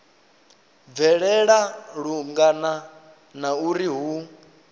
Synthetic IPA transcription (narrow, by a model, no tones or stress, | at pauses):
vɛɺɛɺaɺuŋɡana | nauɾiɦu